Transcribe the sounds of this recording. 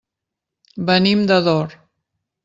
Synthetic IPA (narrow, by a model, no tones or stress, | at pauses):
bənimd̪əðɔɾ